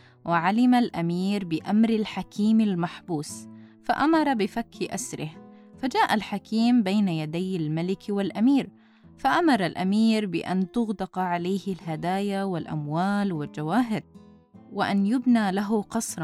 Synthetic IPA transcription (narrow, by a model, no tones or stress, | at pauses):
wʔɪʕalɪmalʔamiːɾbɪʔamɾalħakiːmalmaħbuːsfaʔamɑɾˤɑbɪfakʰːiʔasɾɪh | fad͡ʒaːʔalħakiːmbeːnajad̪ajalmalɪkwɪlʔamiːɾ | faʔamɑɾˤɑlʔamiːɾbɪ̰ʔa̰nt̪ʊɣd̪ɪqʕalaːhɪlɦad̪aːjawɪlʔa̰mwaːlwɪld͡ʒawaːɦɪd̪̚ | wɪʔa̰njʊbnaːlaɦʊqɑsˤɾˤɑ